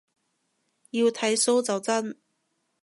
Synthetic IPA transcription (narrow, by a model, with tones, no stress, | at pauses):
jiː˧wt̪ʰɐ˨˥jso˥wt͡sɐ˨wt͡sɐ˥n